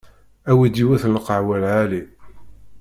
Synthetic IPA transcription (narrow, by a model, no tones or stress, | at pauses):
æwid̪iwæθləqəʕwælʕali